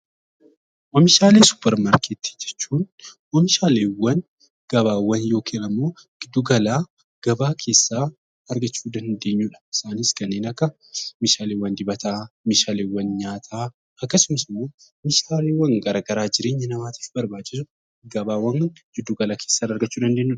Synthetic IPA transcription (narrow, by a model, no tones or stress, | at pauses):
ʔɐmɪʃaːlesʊ̥pːɛɾmaːɾkeːt̪ːɪd͡ʒːɛ̥t͡ʃːuːnwɔmɪʃaːleːwɐn | ɡ̥ɐbaːwːɐnjo̞ːkʰenɐmːoː | ɡɪd̪ːuɡɐlaː | ɡ̥ɐbaːkʰe̞ːsːaː | ɐɾɡɐt͡ʃːuːd̪ɐnhɪnd̪e̞ːɲːuːᶑɐ̥ɪ̥saːniːskɐnːe̞ːnɐkːɐ | meːʃaːlewːɐnd̪ɪbɐt̪ʰaːmeːʃaːleːwːɐnɲaːt̪ʰaː | ɐkːɐsʊmɐsɪmːoː | mɪʃaːleːwɐŋɡɐɾaːɡɐɾaːd͡ʒɪɾe̞ːɲːɐnɐmaːt̪ʰi̥ːfbɐɾbaːt͡ʃːɪs̬ʊ | ɡɐbaːwːɐnnd͡ʒɪd̪ːuɡɐlaːkʰeːsːaːnɐɾɡɐt͡ʃːuːd̪ɐnd̪e̞ːɲːuːᶑɐ